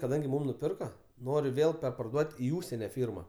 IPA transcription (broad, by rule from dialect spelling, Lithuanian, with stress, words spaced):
kɐˈdɐŋʲɡʲɪ ˈmuːm nʊˈpʲɪrkɐ ˈnoːrʲɪ ˈʋʲeːlˠ pʲɛrpɐrˈduɔtʲ ɪ ˈuːʃʲsʲɛnʲɛ ˈfʲiːrmɐ